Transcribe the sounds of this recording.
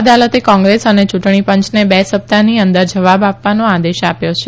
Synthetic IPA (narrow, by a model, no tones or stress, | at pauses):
d̪alət̪ekɔ̃ŋɡɾesənet͡ʃuʈɳ̃ipə̃ɲt͡ʃnebɛsəp̚t̪aniənd̪əɾd͡ʒəʋabapʋanõad̪eʃapjot͡ʃʰe